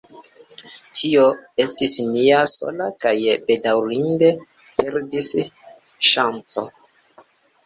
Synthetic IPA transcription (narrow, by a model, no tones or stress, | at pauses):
tʰioe̞stisniaso̞̰lakajbe̞dawɾinde̞ | pe̞ɾdis | ʃant͡so̞̰